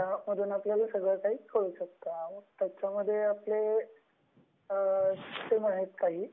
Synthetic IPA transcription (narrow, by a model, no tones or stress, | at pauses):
jam̤əɽuːnapljalasəɡɭəkaɦiːkəɾuːɕək̚t̪amət̪jat͡ɕaməd̪ʱːjeaple | t̪emaɦet̪kaɦiː